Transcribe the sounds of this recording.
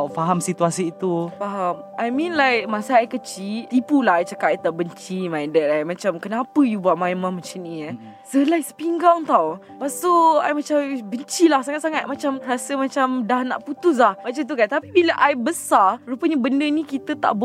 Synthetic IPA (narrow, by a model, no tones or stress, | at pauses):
afaɦamsit̪uasiːt̪ufaɦamʔajmĩnlajk̚masaajkət͡ʃiipulaɦajt͡ʃakaajt̪aʔbəɲt͡ʃimajdɛt̪̚ajmãt͡ʃamkənapəjubuaʔmãjmãmat͡ʃanĩə | səlaj̚sə̥piŋɡaŋŋt̪aw | past̪oa̰jmat͡ʃambəɲt͡ʃilahsaŋat̪̚saŋat̪̚mat͡ʃamɾasəmat͡ʃamdahna̰ʔput̪ʊs̬lahmat͡ʃat̪̬ukant̪apibiləʔajbəsaɾupəɲabəndənikit̪ət̪a̰ʔb